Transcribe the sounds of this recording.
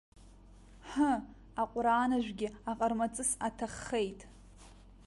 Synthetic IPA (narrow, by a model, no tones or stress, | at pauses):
ħə | aqʷʼɾaːnaʒᶣʷɡʲɪaqʼarmat͡sʼɨsatʰaχːe̞jtʼ